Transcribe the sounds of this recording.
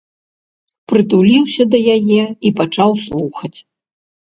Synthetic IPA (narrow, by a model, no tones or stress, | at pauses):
pɾɨt̪ulʲiwsʲɐd̪ɐjajɛipat͡ʂawslˠuxɐt͡sʲ